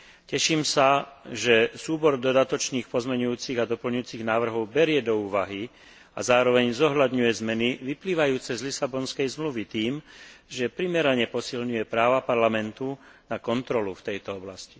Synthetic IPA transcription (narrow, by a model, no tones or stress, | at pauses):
cɛʃiːmsaʒɛsuːbɔɾd̪ɔd̪at̪ɔt͡ʃniːxpɔzmɛɲujuːt͡siɣad̪ɔpl̩ɲuʊjuːt͡siɣnaːʋr̩ɦɔʊbɛɾɪɛd̪ɔuːʋaɦi | a̰zaːɾɔʋɛɲzɔɦʎad̪ɲujɛzmɛniʋipliːʋajuːt͡sɛzlisabɔnskɛjzmluʋit̪iːmʒɛpɾimɛɾaɲɛpɔsilɲujɛpɾaːʋapaɾlamɛnt̪unakɔnt̪ɾɔluft̪ɛjt̪ɔɔblasci̥